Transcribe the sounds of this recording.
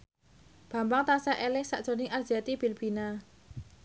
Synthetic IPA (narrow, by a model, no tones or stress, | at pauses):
b̥ä̤mbaŋt̪asaʔelɪhsa̰ʔd̥ʒ̥o̤nɪŋʔard͡ʒat̪ib̥i̤lb̥i̤na